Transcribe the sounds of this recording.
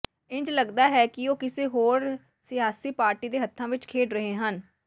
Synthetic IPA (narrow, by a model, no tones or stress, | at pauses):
ɪ̃ɲd͡ʒləɡd̪aːɦɛːkɪoːkɪseːɦoːɾ | sɪjaːsiːpaːɾʈiːd̪eːɦət̪ʰːãːʋɪt͡ʃkʰeːɖɾəɦeːɦən